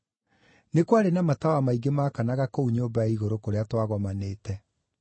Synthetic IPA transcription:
nekwaɾenamatawamaiɡemaːkanaɣakouɲobaaiɣoɾokoɾeatwaɣɔmaneːtɛ

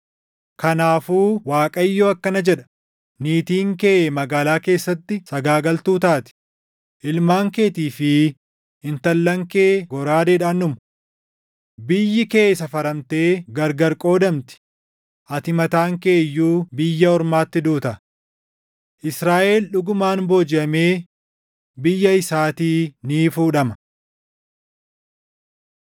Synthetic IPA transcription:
kɐnaːfuːwaːkʼɐjːoːɐkːɐnɐd͡ʒɛᶑɐ̥ | niːt̪iːŋkeʔmɐɡaːlaːke̞ːsːɐt̪ːɪsɐɡaːɡɐlt̪uːt̪aːt̪ɪ̥ | ʔɪlmaːŋke̞ːt̪iːfɪ | ɪnt̪ɐlːɐŋke̞ːɡɔɾaːd̪eᶑaːnːʊmɐ | bɪjːɪke̞ːsɐfɐɾɐmt̪e̞ːɡɐɾɡɐɾkʼo̞ːd̪ɐmt̪ɪ̥ | ʔɐt̪ɪmɐt̪aːŋke̞ːjːuːbɪjːɐɔɾmaːt̪ːɪd̪uːt̪ɐ | ʔɪsɾaːʔelᶑʊɡʊmaːnboːd͡ʒɪɐme̞ː | bɪjːɐɪsaːt̪iːniːfuːᶑɐmɐ̥

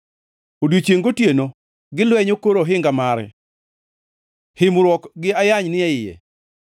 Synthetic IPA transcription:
odwit͡ʃeŋɡotjeno | ɡɪlwɛɲokoɾoɦɪŋɡamaɾɛ̰ | hɪmɾwɔkɡɪajaɲnɪɛɪjɛ̰

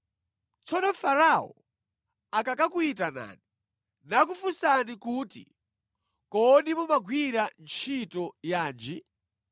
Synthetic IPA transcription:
t͡sɔnɔfaɾaɔ | akakakuitana̰ːni | nak̬ufusanikuːtḭ | kɔɗimumaɡʱwiɾant͡ʃʰitɔjaːnd͡ʒi

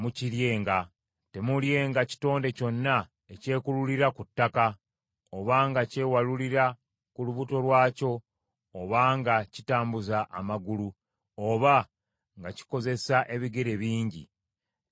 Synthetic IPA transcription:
muciɾje̞ːŋɡa | te̞mulje̞ːŋɡaci̥to̞ːnde̞co̞nːa | ece̞ːkululiɾakutːaka | oβaŋɡace̞ːwaluliɾa | kuluβuto̞lwaːco̞ː | βaŋɡacitaːmbuzaʔːmaɡulu | oβa | ŋɡaci̥ko̞ze̞saʔe̞βiɡe̞ɾe̞βiːɲɟḭ

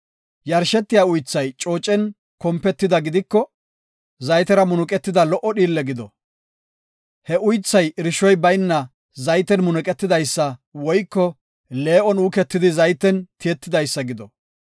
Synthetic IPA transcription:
jɐɾʃɛt̪ːɪjaːʊjt͡sːɐjt͡ʃʼo̞ːt͡ʃʼːɛn | kɔmpːɛt̪ːɪd̪ɐɡɪd̪ɪkːɔ | zɐjt̪ɛɾɐmʊnʊkʼɛt̪ːɪd̪ɐlɔʔːɔɗiːlːɛɡɪd̪ɔ | hɛʔʊjt͡sːɐjɪɾɪʃɔjbɐjnːɐ | zɐjt̪ɛnmʊnʊkʼɛt̪ːɪd̪ɐjsːɐwɔjkːɔ | le̞ːʔɔnuːkɛt̪ːɪd̪ɪzɐjt̪ːɛnt̪ɪjɛt̪ːɪd̪ɐjsːɐɡɪd̪ɔ

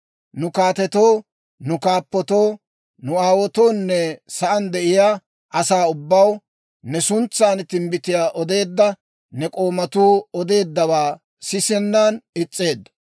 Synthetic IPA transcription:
nʊkaːt̪ɛt̪oː | nʊkaːpːɔt̪oː | nʊaːwɔt̪o̞ːnːɛsɐʔɐnd̪ɛʔɪjaː | ʔɐsaːʊbːɐw | nɛsʊnt͡sːaːnt̪ɪmbɪt̪ɪjaːʔɔd̪e̞ːd̪ːɐ | nɛkʼoːmɐt̪uːɔd̪e̞ːd̪ːɐβaː | sɪsɛnːanɪt͡sʼːe̞ːd̪ːɐ̥

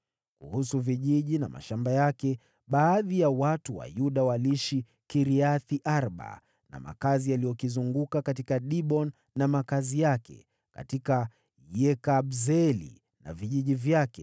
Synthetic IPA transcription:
kuhusuviʄiʄina̰ma̰ʃambajakɛ | ɓaːðijawatuwa̰juɗawaliʃi | kiɾiaθiʔaɾɓa̰ | na̰ma̰kazialijɔkizuŋɡukakatikaɗiɓɔnːamakazijakɛ̰ | ka̰tika | jɛkaɓzɛlḭ | na̰viʄiʄivjakɛ

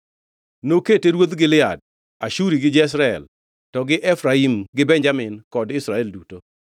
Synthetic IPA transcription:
noketeɾwod̪ɡɪlɪa̰d̚ | aʃuɾiɡɪd͡ʒɛs̬ɾaɛ̰l | tɔɡɪʔɛfɾaimɡɪbɛɲd͡ʒamɪnkɔdɪsɾaɛlduto

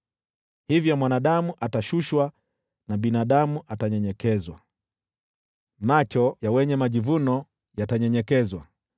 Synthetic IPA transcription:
hivjɔmwanaɗamuʔataʃuʃwa | naɓinaɗamuʔataɲɛɲɛkɛzwa | mat͡ʃɔjawɛɲɛmaʄivunɔ | jataɲɛɲɛkɛzwa

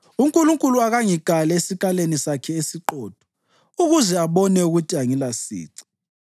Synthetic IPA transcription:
uŋkʼuluŋkʼuluaɣaŋiɡ̥ʱalɛesikʼalenisakʰɛesiǃɔːd̥ʱɔ̥ | uɣuzɛaβɔnɛuɣutʰiaŋilasḭːǀi̥

